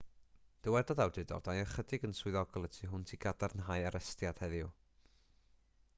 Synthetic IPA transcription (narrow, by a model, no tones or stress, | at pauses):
d̥əwɛdɔðawdɪdɔ̰rd̥ajəχədɪɡənswɪðɔɡɔlˠətʰiɦʊntʰiːɡadarnɦajaɾɛstjad̥hɛðɪu